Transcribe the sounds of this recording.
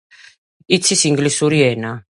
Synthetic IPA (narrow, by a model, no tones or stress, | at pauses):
it̪sʰisiŋɡlisuɾiɛna